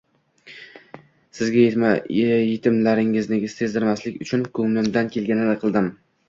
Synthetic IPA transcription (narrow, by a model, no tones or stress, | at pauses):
sɪzɡʲaje | jet̪ʰɪmlaɾɪŋɪznɪɡʲɪst̪e̞zd̪ɪɾmaslɪkʲʊt͡ʃʰʊnkʰɵŋlɪmd̪ankʲʰe̞lɡʲanɪd̪aqʰɨlˠd̪ɪm